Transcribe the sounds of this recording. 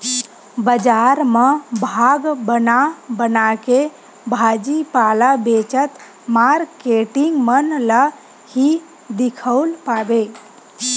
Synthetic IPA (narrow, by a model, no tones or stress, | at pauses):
bəd͡ʒaɾməbʱaɡbənabənake | bʱad͡ʒipalabet͡ʃət̪ | maɾkeʈiŋɡmənlə | hi | d̪ikʰəwlpabe